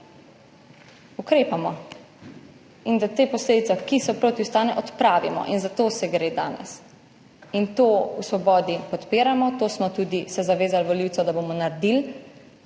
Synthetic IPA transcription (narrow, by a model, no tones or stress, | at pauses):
ukɾeːpamɔ | ind̪at̪eːpɔsleːd̪it̪sɛkisɔpɾoːt̪iwst̪aːnɛʔɔt̪pɾaːʋḭmɔ̰ʔinzat̪osɛɡɾeːd̪aːnɛ̰s | int̪oːusʋɔbɔːd̪ipɔt̪piːɾamɔt̪oːsmɔt̪ud̪isɛzaʋeːzalʋɔliwtsɔd̪aboːmɔnaɾd̪il